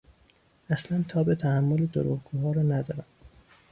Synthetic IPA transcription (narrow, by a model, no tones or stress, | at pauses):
æslænt̪ʰɒːbet̪ʰæhæmːoled̪oɾṵɣɡuːɦɒːɾɒːnæd̪ɒ̰ːɾæm